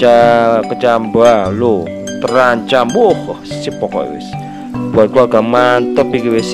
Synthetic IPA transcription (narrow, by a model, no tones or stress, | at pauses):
akət͡ʃambalo | t̪əɾaɲt͡ʃambʊh | sipɔkɔ̰ḭwɪ̰s | b̥uat̪̚kuaɡamant̪əpikiwes